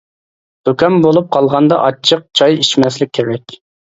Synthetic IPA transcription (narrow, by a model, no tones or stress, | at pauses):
d̪̥okʲɛmbolˠup̚qʰɑlˠʁɑnd̪ɑʔɑt͡ʃʰːəq̚t͡ʃʰɑjiʃmɛslɪk̚ʲʰːeɾɛkʲ